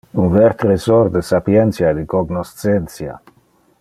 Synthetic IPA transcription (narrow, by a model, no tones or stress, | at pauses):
unvɛɾt̪ɾesoɾd̪esapjɛnt̪sjaed̪ikoɡnost̪sɛnsja̰